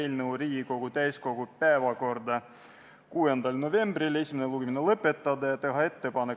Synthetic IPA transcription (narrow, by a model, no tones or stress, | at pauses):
elnɤwɾiːɡko̞ɡ̥ut̪æjsko̞ɡ̥upæevɑko̞rd̪ɑ | kuːend̪ɑlno̞ve̞mb̥rile̞sʲimineluɡ̥eminelɤpːe̞t̪ːˑɑd̪ɑjɑt̪e̞ɦɑe̞t̪ːe̞pɑne